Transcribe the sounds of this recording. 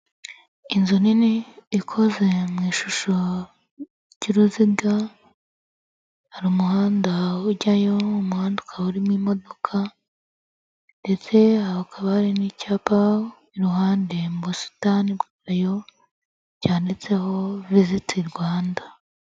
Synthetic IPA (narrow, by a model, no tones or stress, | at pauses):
inzoniniːkʰo̞ze̞mŋiːʃuʃo̞ | ɟ̥iɾuziɡa | haɾumuhaːndauɟajoumuhaːndukʰauɾimwimo̞dokʰa | nde̞t͡se̞haakʰaβahaɾinicaːpa | iɾuɦaːnde̞mubusu̥tanibɡaajo̞ | ɟaːndet͡se̞ho̞vizitʰiɾɡwaːnda